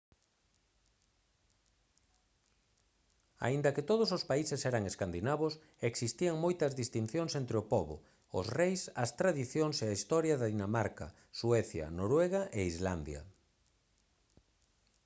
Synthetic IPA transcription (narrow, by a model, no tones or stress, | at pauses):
a̰ind̪ɐkɪt̪oðʊsospaisɪsɛɾɐŋeskand̪inaβʊs | eksist̪iɐŋmojt̪ɐzðist̪in̟θjoŋsent̪ɾɪʊpɔβʊ̰ | ʊsrejsɐst̪ɾaðiθjoŋseaist̪ɔɾjɐðɐðinamaɾkɐ̰ | swɛθjɐ̰noɾwɛɣaʔeizland̪jɐ̰